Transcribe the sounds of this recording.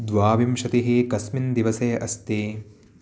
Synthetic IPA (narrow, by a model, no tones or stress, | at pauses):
d̪ʋaːʋimʃɐt̪iɦeːkɐsmind̪iʋɐsɐjɐʔɐst̪eː